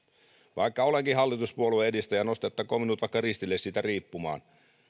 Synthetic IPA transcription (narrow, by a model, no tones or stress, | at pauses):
ʋɑikːɑoleŋkiɦɑlːit̪uspuolueedist̪æjɑno̞st̪et̪ːɑkoːminut̪ʋɑikːɑrist̪ilːessit̪æriːpːumɑ̰ːn